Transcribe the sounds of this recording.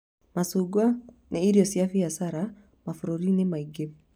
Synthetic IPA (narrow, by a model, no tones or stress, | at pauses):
masuɡwa | nʔiiɾiɔsiafijasaɾa | mafuɾuɾinimaiɡev